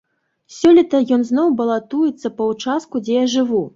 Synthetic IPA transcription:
sʲɔlʲit̪ɐjɔnznɔwbɐlˠat̪ujɛt̪sːɐpɐut͡ʂas̚kud͡zʲɛjaʐɨvu

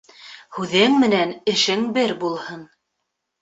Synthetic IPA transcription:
hʉðɘŋmɘ̆nænɘ̆ʃɘŋbɘɾbulˠhɤn

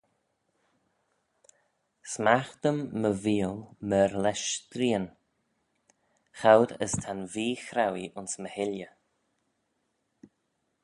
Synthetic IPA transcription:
smaxt̪əmːəviːəlˠməɾlɛʃt̪ɾiːən | xawdə̰st̪ʰanviːxɾawiʔʊnsməhɪljə

